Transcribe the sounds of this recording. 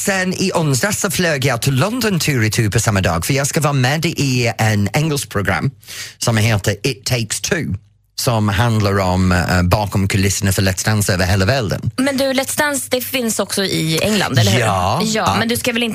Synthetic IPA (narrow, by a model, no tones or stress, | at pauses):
sɛnɪʔʊnsd̪asɔfløːɡəjɑt̪ʰɪlːɔnd̪ɔnt̪ʰʉːɾɪt̪ʰʉːpʰɔsamːəd̪ɑ̰ːɡ̥fəjɑːɡskavɑːmɛːd̪ʔɪɛnɛŋɡəlspʰɾʊɡɾa̰mːsɔmɦeːt̪əɪt̪ʰːeɪkst̪ʰʉː | sɔmɦand̪laɾɔmbɑːkɔmkʰʉlɪsənəfəlɛt̪st̪ansøːvəhɛːləvɛld̪ə̰nmɛnd̪ʉlɛt̪st̪ansd̪ɛfɪnsɔksɔʔɪɛŋla̰nd̪ɛlːɑːjɑːmɛnd̪ɵskavɛlɪn